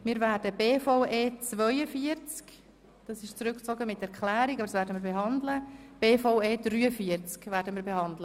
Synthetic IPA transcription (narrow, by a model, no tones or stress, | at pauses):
mɪːɾvæːɾdəbeːfɔʊʔeːt͡svœʏəfiəɾt͡sk | d̥ɑsɪʃt͡sɾʏkt͡sɔɡəmɪtɛɾkʰlæːɾikɑbəd̥ɑsvæːɾdəmiːɾbeɦɑnd̪ləb̥eːfɔʊeːd̥ryːəfiəɾt͡skvæːɾdəmiːɾbehɑndlə